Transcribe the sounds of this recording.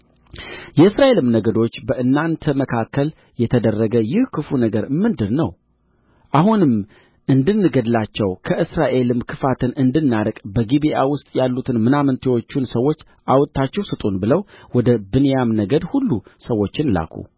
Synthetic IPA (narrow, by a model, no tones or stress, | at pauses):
jɛɨsɾaʔe̞lɨmnəɡəd̪o̞t͡ʃːbəʔɨnːant̪ʰəməkʰakːəl | jɛt̪ʰəd̪ərːəɡəjɪhkʰɨfunəɡəɾɨmːɨnd̪ɨɾnəw | ʔahunɨm | ʔɨnd̪ɨnːɨɡəd̪lat͡ʃːɛwkʰəʔɨsɾaʔe̞lɨmkʰɨfat̪ʰɨnɨnd̪ɨnːaɾəkʼbəɡibiʔawʊst̪ʼjalːut̪ʰɨnmɨnamɨnt̪ʰewo̞t͡ʃːunsəwːo̞t͡ʃː | ʔawt̪ʰːat͡ʃːɛwsɨt̪ʼunbɨləwwɔd̪əbɨnejamnəɡəd̪hulːusəwːo̞t͡ʃːɪnla̰kʰṵ